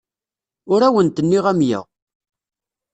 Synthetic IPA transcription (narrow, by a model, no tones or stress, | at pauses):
ʊɾæwənt̪ənːiʁæmjə̰ʁ